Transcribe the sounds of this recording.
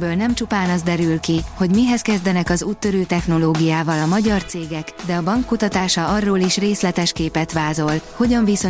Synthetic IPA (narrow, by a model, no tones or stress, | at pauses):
bøːlnɛmt͡ʃupaːnɒzd̪ɛɾylkiho̞ɟmiɦɛskɛzd̪ɛnɛkɒzuːt̪ːø̞ɾøːt̪ɛxno̞loːɡijaːvɒlɒmɒɟɒrt̪seːɡɛkd̪ɛɒbɒŋkːut̪ɒt̪aːʃɒɒrːoːliʃreːslɛt̪ɛʃkeːpɛt̪ʋaːzo̞lho̞ɟɒɱviso̞